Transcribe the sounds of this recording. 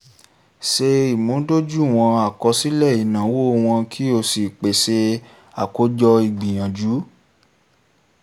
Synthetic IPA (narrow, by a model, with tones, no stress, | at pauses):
ʃe˧i˨mõ˨˦do˦d͡ʒu˦˨w̃ɔ̃˧a˨kɔ˧si˦lɛ˦˨i˨nã˨˦wo˦˧w̃ɔ̃˧kʰi˦o˧si˨k͡pe˨se˧ | a˨ko˦d͡ʒɔ˧i˧˨ɡ͡bi˨j̃ã˨d͡ʒu˨˦